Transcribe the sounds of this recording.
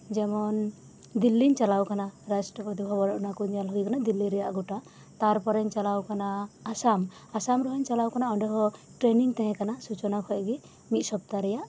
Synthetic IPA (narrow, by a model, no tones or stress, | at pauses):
d͡ʒɛmɔn | d̪ilːiɲt͡ʃalawkanaɾasʈɾɔpɾɔt̪ibʱɔbɔnɔʔnakuɲjalɦɔjkanad̪ilːiɾɛjaʔɡɔʈa | t̪aɾpɔɾɛɲt͡ʃalawkanaːsam | asamɾɔɦɔɲt͡ʃalawkanaɔɳɖɔɦɔʈɾeniŋt̪ɛ̃ɦɛ̃kanasut͡ʃɔnakʰɔʔɡɛ | mit̪̚ˀsɔp̚t̪aɾɛjaʔ